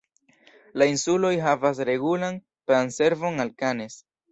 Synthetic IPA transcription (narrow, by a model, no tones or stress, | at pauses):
lainsulo̞jɦavas̬ɾe̞ɡulan | planse̞ɾvo̞ŋalkanes